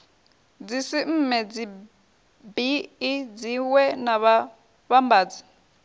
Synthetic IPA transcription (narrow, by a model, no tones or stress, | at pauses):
d͡zisim̩mɛd͡zi | biid͡ziwɛnaβa | βambaːd͡zi